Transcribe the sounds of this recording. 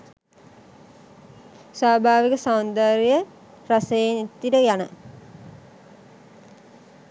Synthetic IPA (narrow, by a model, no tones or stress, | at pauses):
saːbʱaːʋikəsand̪aːɾijə | ɾasəjenit̪ːiɾəjanə